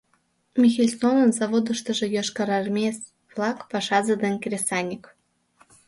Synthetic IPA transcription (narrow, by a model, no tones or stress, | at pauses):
mʲixʲelʲsonə̆nzɑvod̪ɤ̆ʃt̪ɤ̆ʒɤ̆jɑʃkɑɾɑrmʲes | vlˠɑkpɑʃɑzəd̪enʲkʲrʲesɑnʲik